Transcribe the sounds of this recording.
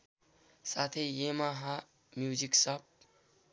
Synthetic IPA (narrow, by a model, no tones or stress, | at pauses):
sat̪ʰejemaɦa | mjuziksʌp̚